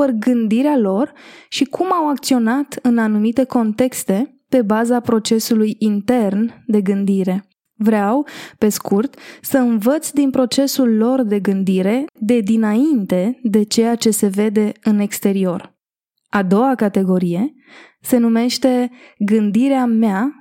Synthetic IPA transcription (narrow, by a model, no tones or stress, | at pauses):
ərɡɨnd̪iɾealo̞rʃikʰumawak̚t̪sio̞nat̪ɨnanumit̪e̞ko̞nt̪e̞kst̪e̞ | pe̞bazapɾo̞t͡ʃe̞sulujint̪e̞rnd̪e̞ɡɨnd̪iɾe̞ | vɾeawpe̞skurt̪səɨnvət̪sʲd̪inpɾo̞t͡ʃe̞sulːo̞rd̪e̞ɡɨnd̪iɾe̞d̪e̞d̪inaint̪e̞d̪e̞t͡ʃe̞jat͡ʃe̞se̞ve̞d̪e̞ɨne̞kst̪e̞ɾio̞r | ad̪o̞wakat̪e̞ɡo̞ɾije̞ | se̞nume̞ʃt̪e̞ɡɨnd̪iɾeamea